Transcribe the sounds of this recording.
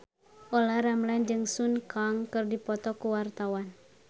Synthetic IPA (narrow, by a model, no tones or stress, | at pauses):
ʔɔlaɾamland͡ʒɨŋsunkaŋkɨrdipɔt̪ɔkuwart̪awan